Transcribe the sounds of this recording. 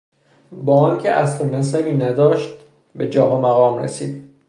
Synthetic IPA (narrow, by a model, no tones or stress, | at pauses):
bɒːɒːncʲʰeʔæst̪omæs̬æɾiːnæd̪ɒːʃt̪̚ | be̞d͡ʒɒːɦomæɣɒːmɾḛsḭːd̪̥